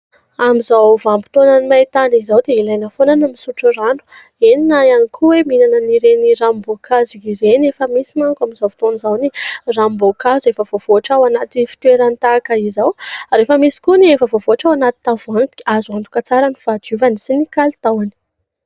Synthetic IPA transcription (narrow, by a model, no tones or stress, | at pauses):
amizawvambi̥t̪onanimajt̪anizawd̪eilajnəfonanamisuʈ͡ʂuranu̥ | eninaianikʰuweminanəniɾenirambokʰazuiɾenefəmisimaŋkamizawvi̥t̪onizawnirambokazefəvov̥oaʈ͡ʂawanat̪ifi̥t̪weɾant̪akəizawaɾefəmisi̥kuniefəvovoaʈ͡ʂawanat̪i̥t̪avuaŋkazuant̪u̥kat͡saɾaniv̥ad͡ʒuvanisinikalit̪awani̥